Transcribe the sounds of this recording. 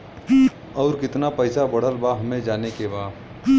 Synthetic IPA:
ɔːɾkɪt̪napɐɪsabɐɽ̤əlbaɦɐmẽd͡ʒaːnekebaː

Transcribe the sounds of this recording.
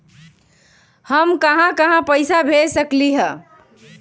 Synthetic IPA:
həmkəɦãkəɦãpəjsabʱesəkliɦə

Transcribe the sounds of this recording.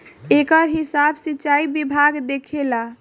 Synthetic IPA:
ekəɾɦisabsitːt͡ʃaibibʱaɡd̪ekʰela

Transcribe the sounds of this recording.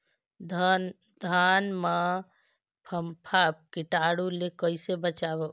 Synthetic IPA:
d̪ | d̪ʱanmã | pʰəmpʰap̚kiʈaɽulekəjsebət͡ʃabe

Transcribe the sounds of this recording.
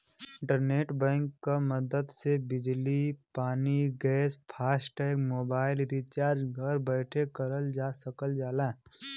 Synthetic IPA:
ɪ̃ɳʈəɾneːʈbɛ̃ːŋkːaməd̪əd̪sebɪd͡ʒlipaːniɡɛːspʰaːsʈɛːkmoːbaːɪlɾiːt͡ʃaːɾd͡ʒɡʱəɾbɛːʈʰekəɾəld͡ʒaːsəkəld͡ʒaːlẽː

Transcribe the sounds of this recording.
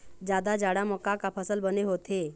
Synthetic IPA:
d͡ʒjaːd̪ad͡ʒaːɽamɔːkakapʰəsəlbəneɦoːt̪ʰeː

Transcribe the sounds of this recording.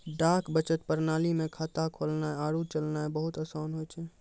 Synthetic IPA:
ɖaːkbət͡ʃət̪pəɾnaːlimẽkʰaːt̪akʰoːlnaɛaːɽut͡ʃəlnaɛbəɦʊt̪əsaːnɦoːjt͡ʃʰɛ

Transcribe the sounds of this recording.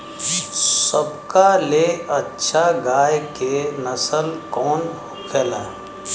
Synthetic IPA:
səbkaleɐtːʃʰaɡaːjkenəsəlkɔːn | kʰelɛː

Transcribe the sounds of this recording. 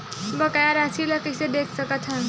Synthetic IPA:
bəkajaɾasʰilakised̪ekʰsəkət̪ʰã

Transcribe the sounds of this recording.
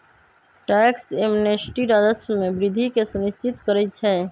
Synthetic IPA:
ʈɛːksemnesʈiɾaːd͡ʒəsmẽbɾɪd̪ʱikesənɪst͡ʃɪt̪kəɾɛt͡ʃʰɛː

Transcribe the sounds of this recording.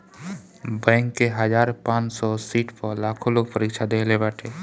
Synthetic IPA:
bɛ̃ːŋkːeɦəd͡ʒaːɾpãːt͡ʃsɔsiːʈpəɾlakʰoloːɡ̚pəɾikt͡ʃʰad̪ekʰlebaːʈʰe

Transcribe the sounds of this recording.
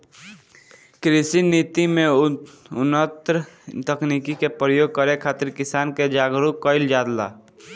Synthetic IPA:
kɾɪsinit̪imẽ | ʊnət̪ɾt̪əkniːkikepɾəjoːɡ̚kəɾekʰaːt̪ɪɾkɪsaːnked͡ʒaːɡɾukəɪld͡ʒaːd̪la̰ː

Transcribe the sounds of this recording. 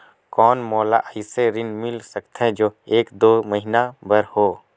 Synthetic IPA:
kɔːnmɔːla̰ʔəiseɾinmɪlsəkt̪ʰɛ̃d͡ʒoːeːkd̪oːməɦinabəɾhoː

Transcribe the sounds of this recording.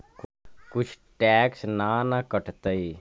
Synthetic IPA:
kkʊt͡ʃʰ | ʈɛːksnanakəʈʰt̪əi

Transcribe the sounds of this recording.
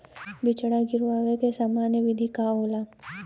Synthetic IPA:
bɪt͡ʃɽaɡɪɾʋaːʋekesaːmaːnjəʋɪd̪ʱikaoːlaː

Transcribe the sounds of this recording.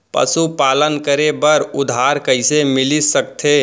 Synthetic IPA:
pə̰supalənkəɾebəɾʊd̪ʱaɾkəɪsemɪlisək̚t̪ʰe

